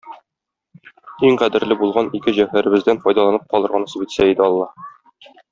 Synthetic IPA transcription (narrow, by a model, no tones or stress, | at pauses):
iŋqæd̪ɘ̆ɾlɘbulˠʁɑnikɘʑæhæɾɘ̆bɘ̆zd̪ænfɒjd̪ɑlˠɑnɤp̚qɒlˠɤ̆ɾʁɑnɤ̆sɤbit̪sæid̪ɘɒlˠːɑ